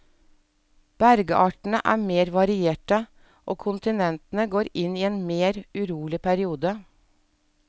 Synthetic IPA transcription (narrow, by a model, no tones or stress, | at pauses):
b̥æɾɡəʔɑːʈɳ̩əʔæ̰ːmeːɾʋɑɾɪeːʈə | ʔoːkʰʊnt̪ɪnɛnt̪n̩əɡoːɾɪniːeːnmeːɾʉɾuːlɪpʰæɾɪuːd̪ə